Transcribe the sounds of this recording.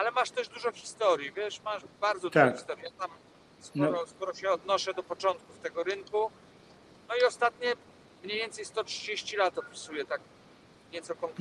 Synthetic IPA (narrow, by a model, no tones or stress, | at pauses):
alɛmaʂt̪ɛʐd̪uʐɔxʲi̥st̪ɔɾjivʲjɛʂmaʂbaɾd̪zɔd̪ɔkxʲist̪ɔɾjijat̪am | skɔɾɔskɔɾɔɕɛɔd̪nɔʂɛd̪ɔpɔt͡ʂɔnt̪̚kuft̪ɛɡɔɾɘŋku | nɔiɔst̪at̪ɲɛ | mɲejvʲɛnt̪sɛjst̪ɔtʂɨd͡ʑeɕt͡ɕilat̪ɔpʲisujɛt̪ak | ɲɛt̪sɔkɔŋk